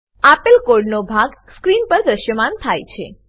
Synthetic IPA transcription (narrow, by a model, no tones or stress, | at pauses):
apəlkoɾɖnobʱaɡskɾinpəɾd̪ɾəʃjəmant̪ʰajt͡ʃʰḛ